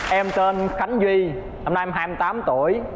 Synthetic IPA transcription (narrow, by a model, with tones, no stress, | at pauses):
ʔɛ˧mt̪e˧nxa˨˦ŋ̟zwi˧ | la˨˩mna˧ʔɛ˧mɦaː˧jmɨ˧jt̪aː˨˦mt̪ṵ˧˩˨əj